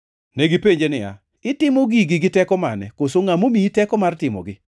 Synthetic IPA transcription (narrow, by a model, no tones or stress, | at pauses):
nɛɡipeɲd͡ʒenɪja̰ | ɪtɪmoɡiɡɪɡɪtɛkɔmanɛ̰kosoŋamomiitɛkɔmartɪmɔ̰ɡɪ